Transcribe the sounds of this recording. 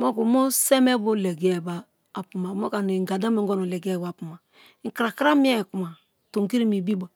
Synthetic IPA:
mo˦ku˨mo˦sɛ˦mɛ˦bo˦lɛ˨ɡɛ˦˨baː˨ | pu˨ma˨mo˦ka˨ne˨ŋɡa˨da˦me˨ŋ˦ɡɔ˦no˨lɛ˨ɡɛ˦˨ba˨pu˨ma˨˦ | ŋ̩˦˨kɾa˨kɾa˦mi˦ɛ˦˨ku˨ma˨ | to˨ŋki˦ɾi˦mi˨bi˦ba˨

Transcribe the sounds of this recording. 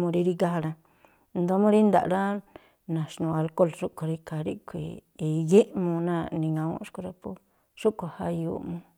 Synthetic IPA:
mũ˧ɾi˧ɾi˦˧ɡa˦ha˧ɾã˧ | nd̪o˧˦mũ˦ɾi˦nd̪a̰˨ɾa˦ | nã˨ʂnũ˧a˧lko˦˨lʂu˦ko˧ɾi˧ka˧˨ɾḭ˦kʰʷḭ˨˧je˦ʔmũ˧nã˦˧nĩ˧ŋã˧wõ̰˦ʂku˧ɾa˧po˦ | ʂu˦kʷa˧ha˧jṵ˧˨mũ˧

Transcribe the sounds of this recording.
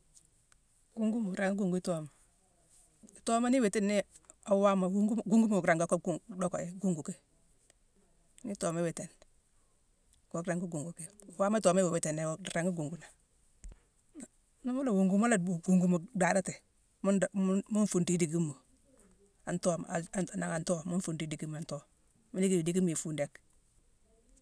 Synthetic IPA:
ɡ̥u˦ŋɡu˦mu˨ɾa˨ŋɡi˦ɡu˨ŋɡu˦i˦to˦ma˨ | i˨to˦ma˦ni˦we˨te˦nːi˦ | a˨wa˦ma˨wu˦ŋɡu˦ɡu˦ŋɡu˦mu˦u˨kɾa˨ŋɡo˦ko˦ɡdɔ˦ko˨e˦ɡu˦ŋɡu˨ke˦ | ni˦toː˨me˦we˨te˨n | ɡo˨kɾa˨ŋɡu˦ɡu˨ŋɡu˨ke˦˨˦waː˦ma˦tɔː˨me˦we˨we˨te˨ne˨ɾa˨ŋɡɡu˨ŋɡu˦na˨ | na˦mu˦la˨wu˨ŋɡu˦mu˦la˨ɡu˨ŋɡu˦mu˨da˨da˦te˨ | mu˦dmu˦nfu˨nti˦di˨ɡi˦mːu˨ | a˨ntoː˦ma˨a˨na˨ŋa˨nto˦mu˦nfu˨nti˦di˨ɡi˦m˨a˨nto˦ | mi˦di˦ki˦mi˨di˦ɡi˦m˦˨i˨fu˦nde˦k

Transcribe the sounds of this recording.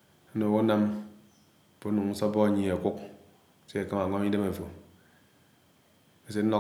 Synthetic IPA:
no˨wo˦na˦m˨ | po˦nu˨ŋ̩˦sɔ˦bɔ˦a˨ɲi˨a˨ku˦k | se˦a˨ka˦ma˨ŋʷa˦mi˦de˦me˨fo˨ | e˨s̬e˦n̩˦ɔ˦

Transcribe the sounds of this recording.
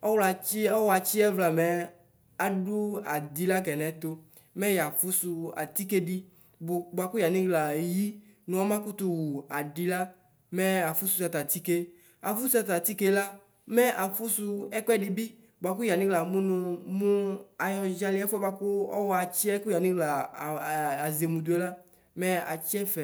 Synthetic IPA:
ɔ˦wla˨t͡ʃi˦ɔ˦wa˧t͡ʃi˦ɛ˦vla˨mɛ˨ | a˨ɖu˦a˨d̪i˨la˦k̬ɛ˨nɛ˨˦t̪o˧ | mɛ˦ja˨fu˦su˧a̰˨t̪i˦ke˦ɖi˦ | bʊ˨ɡ͡ba˧ku˦ja˨nĩ˦ɡla˨ji˦ | nũ˨˦ɔ˦mã˦ku˦t̪u˧wu˨a˨di˧la˦ | mɛ˦a˨fu˦su˧ta˧t̪a˨t̪i˦ke˦ | a˨fu˦su˦a˧t̪a˨t̪i˦ke˦la˦ | mɛ˦ʔa˨fu˦su˧ɛ˦kɛ˦di˧bi˦ | ba˨ku˦ja˨nĩ˦ɡla˨mũ˦nʊ̃˧mũ˦a˨jɔ˧ʒa˧lɪ˦ɛ˦fɔ˦ba˧ku˦ɔ̰˦wɔ˦a˨t͡ʃi˦ɛ˦ku˦ja˨nĩ˦ɡla˨ | a˨ze˨mũ˨du˨˦e˦la˦ | mɛ˦a˨t͡ʃi˦ɛ˦fɛ˨

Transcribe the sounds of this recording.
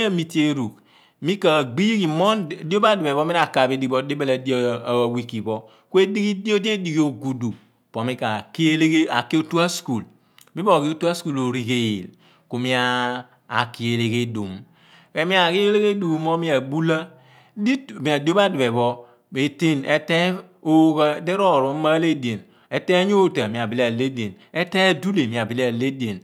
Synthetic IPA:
a˦mi˦ti˦e˦ɾu˨k | mi˦ka˨ɡ͡bi˦jki˨mɔ˦n˨di˦o˦ba˦du˨be˨bɔ˦mi˦ɾa˨ka˨be˨˦di˨bɔ˦de˦be˦la˨di˦˨wi˨ki˨bɔ˦ | ku˦e˦di˦ɡi˦di˦o˦de˦di˨ɡi˨˦o˨ɡu˨du˨ | po˨mi˦ka˨ki˦le˦ɡe˦a̰˨ke˦o˦tu˦a˦sku˨l | mi˦bo˦˨ki˦o˦tu˦a˦sku˨lo˨ɾi˨ke˨jḛ˨l | ko˨mi˦aː˦˨ | ki˦e˨le˦ke˦du˨m | e˨mi˦a˨ki˦e˦le˦ɣe˦du˨˦mo˦mi˦a˨bu˦la˦ | di˦˨mi˨a˨do˦ba˦du˨be˨bɔ˦ | e˨te˦ne˦te˦ | o˦ka˦de˦ɾo˦˨ɾo˨˦ma˦le˦de˨n | e˦te˦ɲ˦o˦˨ta˨mi˨a˨bi˨le˦a˨le˦de˨n | e˦te˦du˦le˨mi˨a˨bi˨le˦a˨le˦de˨n

